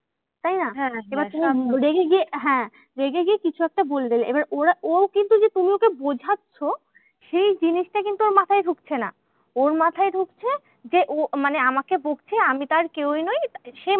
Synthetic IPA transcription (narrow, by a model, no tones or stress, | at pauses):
t̪ajnaebaɾt̪umiɾeɡeɡieɦɛ̃ | ɾeɡeɡiekit͡ɕʰuɛk̚ʈaboled̪eleʔebaɾoɾaʔokint̪ud͡ʑet̪umiokebod͡ʑʱatːɕʰo | ʃejd͡ʑiniʃʈakint̪uoɾmat̪ʰaeɖʱukt͡ɕʰena | oɾmat̪ʰaeɖʱukt͡ɕʰe | d͡ʑeʔomaneamakeboɡt͡ɕʰeamit̪aɾkewjnɔj̪ʃe